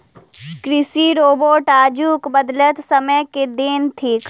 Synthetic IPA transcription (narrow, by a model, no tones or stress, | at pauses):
kɾɪsiɾoːboːʈaːd͡ʒuːkbəd̪lət̪sɐməjked̪ent̪ʰiːk